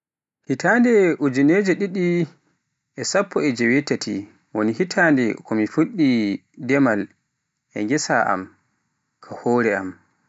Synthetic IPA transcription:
hitaːndɛʔud͡ʒineːd͡ʒɛɗiɗi | ʔɛsapʰːɔɛd͡ʒɛwɛtatʰḭ | wonihitʰandɛkʰɔmifuɗːidɛmal | ʔɛ̰ŋɡɛsa̰ʔa̰m | kʰahɔːɾɛam

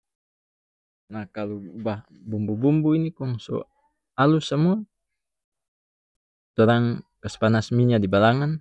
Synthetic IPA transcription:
nahkalubah | bumbubumbuinikɔŋso̰ | alusəmua | toɾaŋkəsə̥panasmiɲadibalaŋan

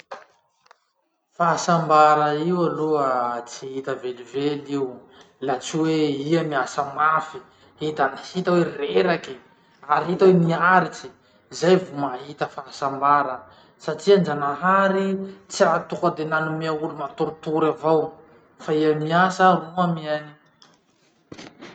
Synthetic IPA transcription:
faasambaɾəiwaluət͡siɦit̪əvelivelew | lat͡siweiamiasəmafi | hit̪anihit̪awereɾaki | aɾiɦit̪aweniaɾit͡si | zajvumaɦit̪əfasambaɾə | saʈ͡ʂiand͡ʒanaɦaɾit͡siɾat̪ukəd̪enanumiaulumat̪uɾut̪uɾavaw | faiamiasəruamiani

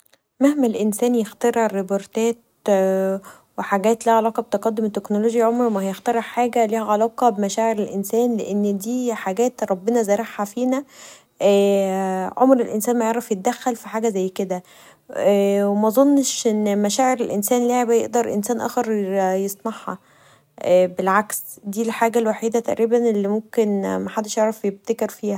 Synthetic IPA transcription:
mæhmælʔensæːnjext̪ɑɾʕrːeboɾt̪æːt̪̚ | weħaɡæːt̪liːʕalɑːqɑb̚t̪ɑqɑd̪ːomt̪eknoloːʒjiʕomɾmæhæjext̪ɑɾeʕħaːɡæliːhæʕalɑːqɑbemæʃæːʕeɾelʔensæːnleʔenːd̪iːħaɡæːt̪ɾˤɑbːenɑzæɾˤeħæfiːnæ | ʔː | ʕomɾelʔensæːnmæjeʕɾˤɑfjet̪̚d̪æxːælfiħaːɡæzæjːked̪æ | wemæzˤonːʃʔenːmæʃæːʕeɾelʔensæːnleːʕebæjeʔd̪ɑɾˤʔḛnsæːnʔæ̰ːxeɾjesˤnɑħhɑ̰ | ʔæbelʕaksd̪iːlħaːɡælwaħiːd̪æt̪æʔɾiːbænelːimomkenmæħad̪ːeʃjeʕɾɑfjeb̚t̪ækeɾfiːhæ

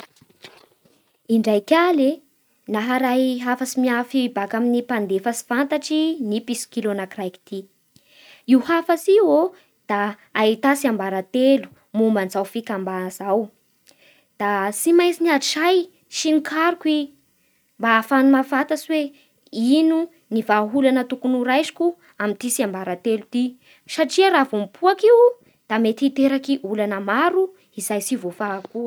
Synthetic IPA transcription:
iɳɖ͡ʐajkʲale | naɦaɾajɦafasimiafiibakaminipand̪efasi̥fant̪aʈ͡ʂinipisi̥kilonakrajki̥t̪i | iwhafasiwo | d̪̥aː | it̪asiambaɾat̪elu̥ | mumbanzawfikambanzaw | d̪̥asimajt͡siniaʃaj | ʃinikʰaɾukwi | mbaːfanumavat̪asiwe | inu | nivaɦulanət̪ukunuɾajzi̥ku | amint̪isiambaɾat̪elut̪i | saʈ͡ʂiaɾavomipʰuakiw | d̪̥amet̪iit̪eɾakiʔulanəmaɾu | izajsivofakuə

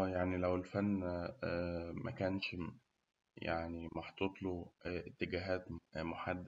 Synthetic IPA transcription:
jaʕnilæwelfænː | mʔæ̰kæːnʃ | ja̰ʕnimɑħt̪ˤot̪ˤloet̪ːeɡæːɦæːt̪moħad̪ː

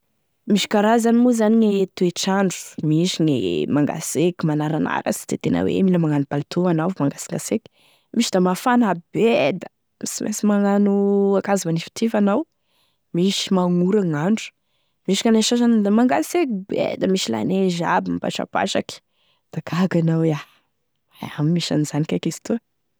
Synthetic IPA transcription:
miʃi̥kaɾazanimuzaniɲet̪ueʈ͡ʂaɳɖ͡ʐu̥miʃiŋḛmaŋɡa̰seki̥manaɾana̰ɾə̰si̥d̪̥et̪enə̰wḛmiləmaŋanubalt̪ʰoanavmaŋɡasi̥ŋɡaseki̥ | miʃid̪amafanabed̪ə | misimʔḛsimaŋanuakazimanifi̥t̪ʰivanaw | miʃi̥maŋuɾaŋaɳɖ͡ʐu̥ | miʃḁkʲaneʃaʃanad̪amaŋɡasekibḛd̪əmiʃila̰neʒa̰bimpa̰ʈ͡ʂa̰pa̰ʃaki̥ | d̪̥akʰaɡanawa | a̰ammiʃa̰nizanikakest̪u

